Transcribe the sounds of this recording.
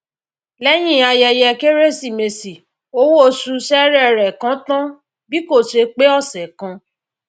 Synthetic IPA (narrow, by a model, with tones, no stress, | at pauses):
lɛ˦j̃ĩ˦˨a˧jɛ˧jɛ˧ke˦ɾe˦si˨me˨si˨ | o˦wo˦o˧su˧ʃɛ˦ɾɛ˦˨ɾɛ˨kã˨˦tã˦ | bi˦ko˦˨ʃe˧k͡pe˦ɔ˦˨sɛ˨kã˧